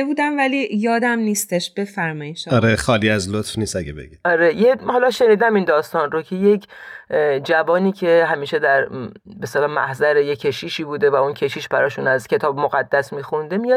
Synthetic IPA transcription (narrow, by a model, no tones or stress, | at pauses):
buːd̪æmvælijɒːd̪æmniːst̪e̞ʃb̥e̞fæɾmɒiʃɒɾexɒːliːæzlot̪fniːst̪æɡḛbḛɡiɒɾejehɒlɒʃe̞niːd̪æmind̪ɒːst̪ɒnɾocʰe̞jekʰ | d͡ʒævɒːniːcʰe̞hæmiːʃe̞d̪æɾbest̪elɒːmæ̰hzæɾejekʰe̞ʃiːʃiːbuːd̪e̞væuncʰe̞ʃiːʃbæɾɒːʃunæzcʰe̞t̪ʰɒːbmoɣæd̪ːæsmiːxund̪e̞mijɒ̥